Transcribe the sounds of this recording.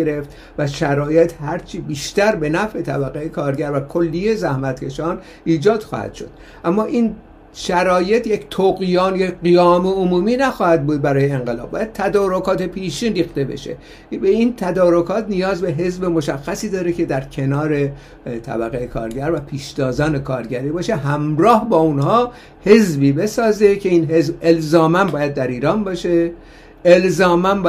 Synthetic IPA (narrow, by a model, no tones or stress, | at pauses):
eɾe̞ft̪ | væʃæɾɒːjet̪ʰhæɾt͡ʃʰibiːʃt̪æɾbe̞næfʔe̞t̪ʰæbæɣejekʰɒːɾɟæɾvækʰolːijezæhmæt̪cʰe̞ʃɒːn | ʔiːd͡ʒɒːd̪̥xɒ̰hæ̰d̪̥ʃo̞̰d̪̥̚ | ʔæmːɒːʔin | ʃæɾɒːje̞t̪ʰject̪ʰoɣjɒːnjecɢijɒːmeomuːmiːnæxɒːhæd̪̚buːd̪̚bæɾɒːjeːŋɢelɒ̰b̚bɒːjæd̪̚t̪ʰæd̪ɒːɾo̞kʰɒːt̪e̞pʰiːʃiːnɾiːxt̪e̞be̞̰ʃḛ | beint̪ʰæd̪ɒːɾokʰɒːt̪nijɒːzbeɦe̞zbe̞mo̞ʃæxːæsiːd̪ɒːɾecʰe̞d̪æɾcʰe̞nɒːɾe̞ | t̪ʰæ̰bæɣejekʰɒ̰ːɾɟæɾvæpʰiːʃd̪ɒːzɒːne̞kʰɒːɾɟæɾiːbɒːʃe̞ɦæmɾɒːhbɒːunhɒː | he̞zbiːbe̞sɒːze̞cʰe̞iːnɦe̞zbe̞lzɒːmænbɒːjæd̪̚ːæɾiːɾɒːnbɒːʃe | elzɒːmæn